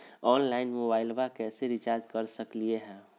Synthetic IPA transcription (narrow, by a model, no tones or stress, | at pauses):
ɔːnlaːɪnmobaːɪlbakɛːseɾɪt͡ʃaːɾd͡ʒkəɾsəklieɦɛ̃ː